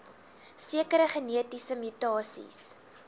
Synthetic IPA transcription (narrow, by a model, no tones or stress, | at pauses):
siəkəɾəχəniətisəmytɑːsḭs